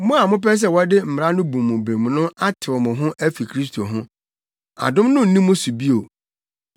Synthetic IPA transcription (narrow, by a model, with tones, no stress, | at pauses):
mʊ̃˦a˨mʊ̃˦p̬ɛ˦s̬ɛ˨wɔ˦dɪ˦m̩˨m˨ɾa˦nʊ̃˦bũ˨mʊ̃˨bɾẽ˨m˨nʊ̃˦a˦tʰɪ˨wɔ˨mʊ̃˨ɦʊ̃˦ʔæ˦fi˨kʰɾi˦s̬tʰo˨ɦʊ̃˦ | a̰˨dʊ̃˦mnʊ̃˦n̩˨nĩ˦mʊ̃˦su˨bi˦o˨